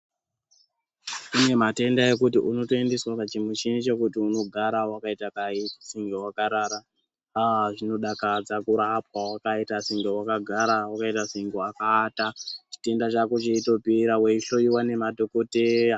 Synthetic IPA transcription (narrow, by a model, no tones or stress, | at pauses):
ine̞mate̞ndaje̞kutiʔuno̞to̞endeswakat͡ʃimut͡ʃinit͡ʃe̞kutiuno̞ɡʱaɾawakaitakaisiŋɡewakaɾaɾa | aʐino̞ɗakad͡zakuɾap̚wawakaitasiŋɡewakaɡʱaɾawakaitasiŋɡoakatat͡ʃi̥te̞ndat͡ʃakut͡ʃiito̞piɾaweiɬo̞jiwane̞madʱo̞ko̞teja